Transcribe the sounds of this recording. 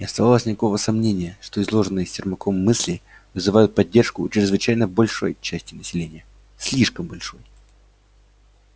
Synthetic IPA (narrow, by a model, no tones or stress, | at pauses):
nʲɪɐst̪ɐvalˠəsʲnʲɪkɐko̞vəsɐmnʲenʲɪjəʂt̪oɪzlˠo̞ʐɨnːɨjəsʲtʲɪrmɐkʰo̞mːɨsʲlʲɪ | vɨzɨvajʊt̪̚pɐdʲːe̞rʂkʊt͡ɕɾʲɪzvɨt͡ɕæjnəbɐlʲʂo̞̰jt͡ɕæsʲtʲɪnəsʲɪlʲenʲɪjə | sʲlʲiʂkəmbɐlʲʂo̞j